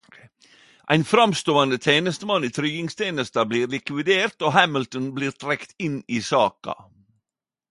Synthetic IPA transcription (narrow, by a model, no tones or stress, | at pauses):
ʔæ̰ɪnfɾɑmst̪oːɑnd̪ət̪ʰeːnəst̪əmɑniːt̪ʰɾyɡɪŋst̪ʰeːnəst̪ɑbliːɾlɪkʋɪd̪eːɾt̪oːɦæməlt̪ənbliːɾt̪ʰɾɛkt̪ɪnːiːsɑːkɑ̰